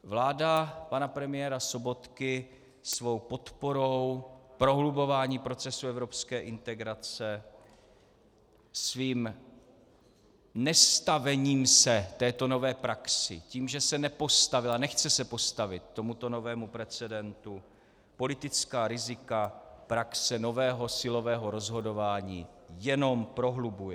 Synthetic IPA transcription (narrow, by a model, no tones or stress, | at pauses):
vlaːdapanapɾɛmɪjɛɾaso̞bo̞t̪kɪ | svo̞wpo̞t̪po̞ɾo̞wpɾo̞ɦlubo̞vaːɲiːpɾo̞t͡sɛsuɛvɾo̞pskɛːʔɪnt̪ɛɡɾat͡sɛ | sviːm | nɛst̪avɛɲiːmsɛt̪ɛːt̪o̞no̞vɛːpɾaksɪ̰ciːmʒɛsɛnɛpo̞st̪avɪlanɛxt͡sɛsɛpo̞st̪avɪt̪ːo̞mut̪o̞no̞vɛːmupɾɛt͡sɛdɛnt̪u | po̞lɪt̪ɪt͡skaːɾɪzɪkapɾaksɛno̞vɛːɦo̞sɪlo̞vɛːɦo̞ɾo̞zɦo̞do̞vaːɲiːjɛno̞mpɾo̞ɦlubujɛ